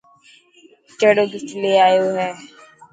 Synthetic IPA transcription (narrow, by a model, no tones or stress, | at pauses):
t͡ʃəɽoːɡɪt͡ʃleːaːjoːɦɛː